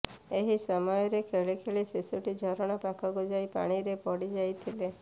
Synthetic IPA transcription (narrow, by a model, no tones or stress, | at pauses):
eɦisəmɔjɔɾekʰeɭikʰeɭisisuʈid͡ʒʱɔɾɔɽ̃apakʰɔɡod͡ʒajpa̰ɽ̃iɾepɔɽid͡ʒajt̪ʰile